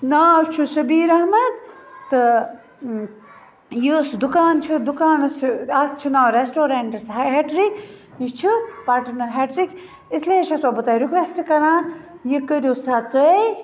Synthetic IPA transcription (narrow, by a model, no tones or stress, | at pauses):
naːt͡ʃʰusɐbiːɾɐɦmɐt̪ːɨ | jisd̪ukaːnt͡ʃʰud̪ukaːnɐsɐst͡ʃʰinaːɾesʈoːɾeːɳʈɐsɦɦeʈɾik | jit͡ʃʰipaʈɐnɐɦeʈɾik | isleːʃʰɐsoːbɐt̪aːjɾikʋesʈkɐɾaːn | jikəɾʲusat̪əj